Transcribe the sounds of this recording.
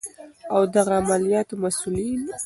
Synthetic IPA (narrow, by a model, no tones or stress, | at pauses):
awd̪aɣaːmalijɑt̪omasulin